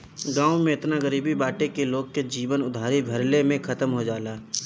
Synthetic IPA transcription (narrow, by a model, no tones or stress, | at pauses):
ɡaːũmẽɪt̪naɡəɾiːbibaːʈekeloːɡked͡ʒiːʋənʊd̪ʱaːɾibʱɐɾlemẽkʰɐt̪əmɦod͡ʒaːlaː